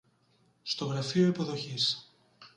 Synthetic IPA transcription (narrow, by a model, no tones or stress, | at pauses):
st̪o̞ɣɾɐfio̞ipo̞ðo̞çis